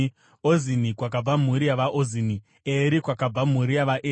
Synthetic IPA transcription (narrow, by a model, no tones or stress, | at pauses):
ozinikwak̬ab͡vam̤uɾijaʋaʔozini | eɾikwakab͡vam̤uɾijaʋaʔeː